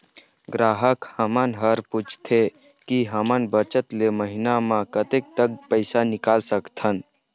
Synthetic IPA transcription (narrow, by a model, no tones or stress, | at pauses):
ɡɾaːɦəkhəmənɦəɾput͡ʃʰt̪ʰe | kiɦəmənbət͡ʃət̪leməɦinamãkət̪ek̚t̪əɡ̚pəɪsanɪkalsəkt̪ʰən